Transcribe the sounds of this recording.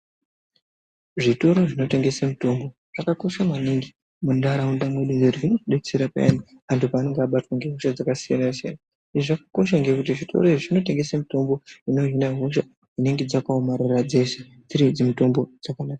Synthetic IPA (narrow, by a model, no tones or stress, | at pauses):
ʐito̞ɾo̞ʐino̞te̞ŋɡe̞samito̞mbo̞ | ʐ̥akako̞ʃamaniŋɡi | mundaɾaundamwe̞ɗundeɾiʐinokuɗet͡seɾapa̰a̰ni | antʰupaːne̞ŋɡeaɓatwaŋɡe̞ɦoʃad͡zakasijanasia̰na | iʐiʐakako̞ʃaŋɡekut̬iʐitʰo̞̰ɾoiʐoʐino̞te̞ŋɡe̞samito̞mbo̞ino̞ɦinaɦo̞ʃa | ine̞ŋɡe̞d͡zakaomaɾirad͡ze̞se | d͡ziɾid͡zimito̞mbo̞d͡zakanaːka